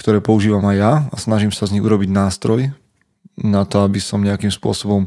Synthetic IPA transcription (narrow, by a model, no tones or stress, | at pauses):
kt̪ɔɾɛːpɔuʒiːʋamajjaasnaʒimsazɲiɣuɾɔbiɟnaːst̪ɾɔj | nat̪ɔabisɔmɲɛakiːmspʊɔ̰sɔbɔm